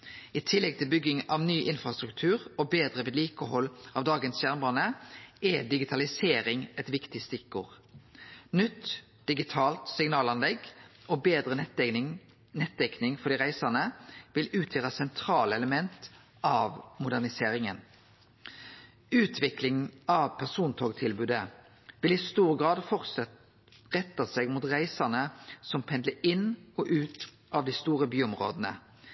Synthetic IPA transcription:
it̪ʰɪlːɛɡ̚t̪ʰɪlbʏɡːɪŋɑʋnyːʔɪnfʁɑst̪ʁʉkt̪ʰʉːʁoːbeːd̪ʁəʋɪliːkəhɔlɑʋd̪ɑːɡənsjæʁnbɑnəɛd̪ɪɡɪt̪ʰɑlɪseːɾɪŋɛt̪ʋɪkt̪ɪst̪ɪkːoːʁ | nʏt̪ | d̪̥ɪɡɪt̪ʰɑːlt̪sɪŋnɑːlɑnlɛɡoːbeːd̪ʁə | nɛt̪̚d̪ɛknɪŋfɔd̪iːʁæɪsɑnəʋɪlʉːt̪ʰjøːʁəsɛnt̪ʰɾɑːləɛləmɛnt̪ | ʔɑʋmʊd̪æʁnɪseːʁɪŋən | ʉːt̪ʰʋɪklɪŋɑʋpʰæʁsuːnt̪ʰoːɡt̪ʰɪlbʉːd̪ə | ʋɪlɪst̪uːʁɡʁɑːd̪fɔʁs | ʁɛt̪ːɑseːɡmuːt̪ʁæɪsɑnəsɔmpʰɛnd̪ləɪnɔʔʉːt̪ | ʔɑʋd̪ɪst̪uːʁəbyːɔmʁo̰ːd̪nə̰

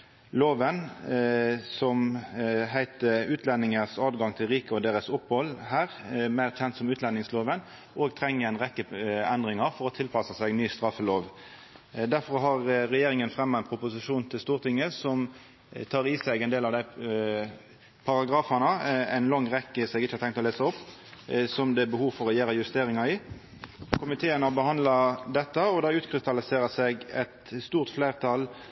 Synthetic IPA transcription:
loːʋən | sɔmɦæɪt̪əʉːt̪ʰlɛnɪŋəsɑːd̪ɡɑŋt̪ʰɪlʁiːkəɔd̪eːʁɾəsʊphɔlhæːʁmæɪʁçɛnt̪sɔmʉːt̪lɛnɪŋsloːʋən | ʔoːɡt̪ʰɾɛŋːəɛɪnʁɛkːəɛnd̪ʁɪŋəʁfɔɾɔt̪ʰɪlpʰɑsəsæɡnyːst̪ɾɑfːəloːʋ | d̪æʁfɔʁɦɑʁʁɛjeːɾɪŋənfʁɛmːɑɪnpʰʁʊpʊsɪʂuːnt̪ʰɪlst̪uːʁt̪ʰɪŋːəsɔm | t̪ʰɑːʁɪsæɡɛɪnd̪eːlɑʋd̪æɪ | pʰɑʁɑɡɾɑːfɑnəæ̰ɪnlɔŋːʁɛkːəsɔmɛɡɪçəhɑt̪ʰɛŋk̚t̪ɔleːsəɔpː | sɔmd̪ɛbəhuːʋfɔʁɔjæːɾəjʉst̪eːɾɪŋɑɪ | kʰʊmɪt̪ʰeːənɑbəhɑnd̪lɑd̪ɛt̪ːəɔd̪ɑːʉːt̪kʰʁɪst̪ɑlɪseːʁəsɛɡɛt̪st̪uːʁt̪flæɪʁt̪ʰɑl

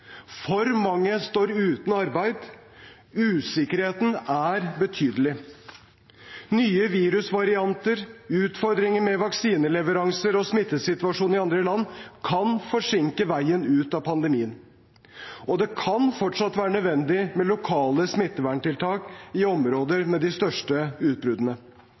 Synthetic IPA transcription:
fɔɾmɑŋːəst̪oːɾʉːt̪nɔɑɾbæɪd̪ | ʉːsɪkəɾheːt̪n̩æɾbət̪ʰyːd̪əlɪ | nyːəʋiːɾʉsʋɑɾɪɑnt̪əɾʉːt̪fɔɾd̪ɾɪŋəɾmɛʋɑksiːnəlɛʋəɾɑŋsəɾɔsmɪt̪ːəsɪt̪ʋɑʂuːnɪɑnd̪ɾəlɑnːkʰɑnfɔʂɪŋkəʋæɪənʉːt̪ɑpʰɑnd̪əmiːən | ɔd̪ɛkʰɑnfɔʈʂɑt̪ːʋæːɾəɳœd̪ʋɛnd̪ɪmɛlʊkʰɑːləsmɪt̪ːəʋæɳʈɪlt̪ʰɑːkɪɔmɾoːd̪əɾmɛd̪ɪst̪œʂʈəʉːt̪̚bɾʉd̪ənə

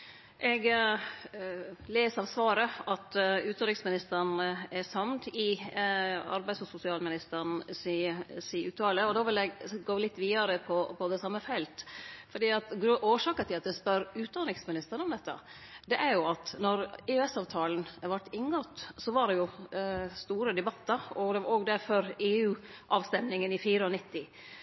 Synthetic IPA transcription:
ʔɛɡ | leːsɑʋsʋɑːɾəɑt̪ʉːt̪ɑnɾɪksmɪnɪst̪əɳæsɑnt̪ɪ | ɑ̰ɾbæɪsɔsʊsɪɑːlmɪnɪst̪əɾnsɪsiʉːt̪ʰːɑːləɔd̪ɔʋɪlɛɡɡoːlɪt̪ːʋiːɑɾəpʰɔpʰɔd̪ɛsɑmːəfɛlt̪fɔɖiːɑt̪ɡɾʔoːʂɑːkənt̪ʰɪlɑt̪d̪ɛspœɾʉːt̪̚d̪ɑnɾɪŋsmɪnɪst̪əɾɳəɔmd̪ɛt̪ːə̰ | d̪ɛʔæɾjʊɑt̪nɔɾeɛsɑːʋt̪ʰɑːlənɛɾʋɑʈːɪnɡɔt̪ːsɔʋɑɖɛjʊ | st̪uːɾəd̪ɛbɑt̪ːəɾɔd̪ɛʋɾoːɡd̪æɾfœɾeːʉːʔɑːʋst̪ɛmnɪŋənɪfiːɾəɔnɪt̪ːɪ

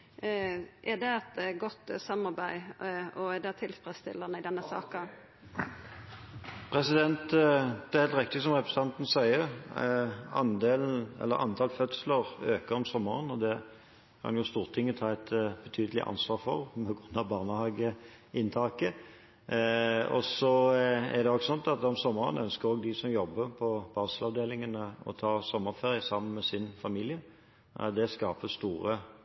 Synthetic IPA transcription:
ʔɛd̪ɛɛt̪ɡɔt̪ːsɑmːɑɾbæɪɔɛd̪ɛɛt̪ʰːɪlfɾɛst̪ɪ̰lːənəɪd̪ɛnːəsɑ̰ːkə | pʰʁɛsɪd̪ɛnt̪d̪̥ɛheːlt̪ɾʁɪk̚t̪ɪsɔmʁɛpɾəsɑnt̪n̩sæɪəʁ | ɑ̰nd̪eːln̩ɛ̰lːə̰ʁɑ̰nt̪ʰɑlfœt̪sləʁøːkəʁɔmsɔmːəʁənɔd̪ɛ | kʰɑ̰njʊst̪uːʁt̪ʰɪŋːət̪ʰɑːɛt̪bɛt̪ʰyːd̪əlɪ̰ʔɑ̰nsʋɑːʁfɔʁpʰɔɡʁʉnːɑʋbɑːʁnəhɑːɡə | ɪnt̪ʰɑːkə | ɔ̰sɔæ̰ʁd̪ɛɔɡsɔnt̪ɑt̪ɔmsɔmːəʁə̰nœnskəɾoːɡd̪ɪsɔmjɔbːəpʰɔb̥ɑːsəlɑʋd̪eːlɪŋənəɔ̰t̪ʰɑːsɔmːəfeːʁjəsɑmːənmɛsɪnfɑmiːljə | d̪ɛskɑːpəst̪uːʁə

